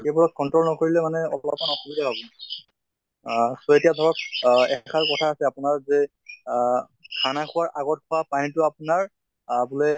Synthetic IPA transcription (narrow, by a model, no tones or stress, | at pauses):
tɛbɔɹɔt̚kɔntɹɔlnɔkoɹilɛmanɛɔ̰llɔp̚manɔxubidʱabʱabɔ | sɔetijadʱɔɹɔk̚ɛkʰaɹkɔtʰaːsɛapʊnaɹzɛ | kʰanakʰʊwaɹʔaɡɔt̚kʰʊwapanitʊapʊnaɹ | abulɛ